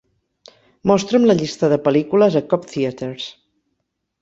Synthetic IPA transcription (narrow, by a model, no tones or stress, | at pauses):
mɔst̪ɾəmləʎist̪əðəpəlikuləzəkɔpθiət̪eɾs